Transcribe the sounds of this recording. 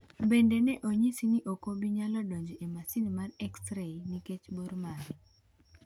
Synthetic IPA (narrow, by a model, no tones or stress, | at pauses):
bendenɛʔoɲisiniʔokobiɲalɔdoɲd͡ʒiʔemasinmarɛkstɾeniket͡ʃboɾmaɾ